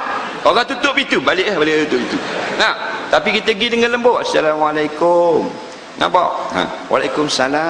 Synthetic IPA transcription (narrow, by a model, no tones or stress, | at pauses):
oɣaŋt̪ut̪ʊpit̪ubalɪʔahbalɪʔt̪ut̪ʊp̚it̪unat̪apikit̪əɡidəŋanləmboʔasalamalajkʊm | nã̰ba̰ʔã̰wʔa̰lajkʊmsala